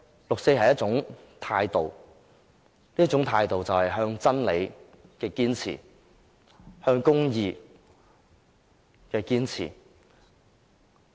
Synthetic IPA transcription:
lʊ˨k̚se˧jɦɐ˨jɐ˥t͡sʊ˨˥ŋt̪ʰaː˧jt̪o˨w | niː˥t͡sʊ˨˥ŋt̪ʰaː˧jt̪o˨wt͡sɐ˨whɐ˨jɦœː˧ŋt͡sɐ˥nle˨˧j | kɛː˧kiː˥nt͡sʰḭː˨˩ | hœː˧ŋkʊ˥ŋjiː˨˧ | kɛː˧kiː˥nt͡sʰḭː˨˩

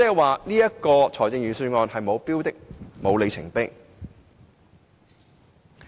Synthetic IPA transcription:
t͡sɛː˥waː˨niː˥jɐ˥kɔː˧t͡sʰɔː˨˩jt͡sɪ˧ŋjɥyː˨˩syː˧ŋɔː˧nhɐ˨jmo˨˧wpiː˥wt̪ɪ˥k̚mo˨˧wle˨˧jt͡sʰɪ˨˩ŋpɪ˥k̚

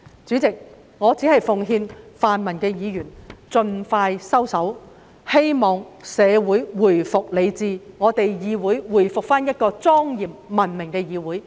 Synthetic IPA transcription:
t͡syː˨˥t͡sɪ˨k̚ | ŋɔː˨˧t͡si˨˥hɐ˨˩jfʊ˨ŋɦiː˧nfaː˨nmɐ˨˩nkɛː˧jiː˨˧jyː˨˩nt͡sɵ˧nfaː˧jsɐ˥wsɐ˨˥w | he˥jmɔː˨˩ŋsɛː˨˧wuː˨˥jwuː˨˩jfʊ˨k̚le˨˧jt͡siː˨ŋɔː˨˧t̪e˨jjiː˨˧wuː˨˥jwuː˨˩jfʊ˨k̚faː˥njɐ˥t̚kɔː˧t͡sɔː˥ŋjiː˨p̚mɐ˨˩nmɪ˨˩ŋkɛː˧jiː˨˧wuː˨˥j

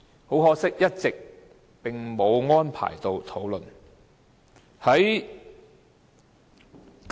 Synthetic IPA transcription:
ho˨˥wɦɔː˧˥k̚sɪ˥k̚jɐ˥t̚t͡sɪ˨k̚ | pɪ˨˩ŋmo˨˧wŋɔː˥npʰa̰ː˨˩jt̪o˨wt̪ʰo˨˥wlɵ˨n | hɐ˨˥j

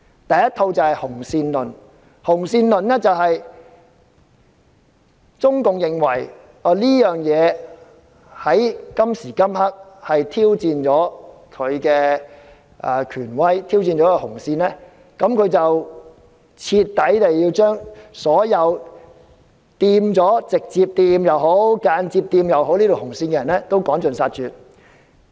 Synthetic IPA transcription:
t̪ɐ˨jɐ˥t̪ʰo˧wt͡sɐ˨whɐ˨jhʊ˨˩ŋsiː˧nlɵ˨˩n | hʊ˨˩ŋsiː˧nlɵ˨nɛː˥t͡sɐ˨wɦɐ˨j | t͡sʊ˥ŋkʊ˨ŋjɪ˨˩ŋwɐ˨˩j | ɔː˧˩liː˥jœː˨ŋjɛː˨˧ | hɐ˨˥jkɐ˥msiː˨˩kɐ˥mhɐ˥k̚hɐ˨jt̪ʰiː˥wt͡siː˨˧nt͡ʃɔː˨˥kʰɵ˨˧ɥkɛː˧ | ʔa̰ː˧˩kʰyː˨˩nwɐ˥jt̪ʰiː˥wt͡siː˧nt͡ʃɔː˨˥kɛ˧hʊ˨˩ŋsiː˧nlɛː˥ | kɐ˨˧˥mkʰɵ˨˧ɥt͡sɐ˨w | t͡sʰiː˧t̪ːɐ˨˥jt̪e˨jjiː˧wt͡ʃœː˥ŋsɔː˨˥jɐ˨˧w | t̪iː˧mt͡sɔː˨˥t͡sɪ˨k̚t͡siː˧p̚t̪iː˧mjɐ˨wɦo˨˥wkaː˧nt͡siː˧p̚t̪iː˧mjɐ˨who˨˥wlni˥t̪o˨hʊ˨˩ŋsiː˧nkɛ˧˨jɐ˨˩nlɛː˥t̪o˥wkɔː˨˥ŋt͡ʃɵ˨nsaː˧t̚t͡ʃyː˨t̚

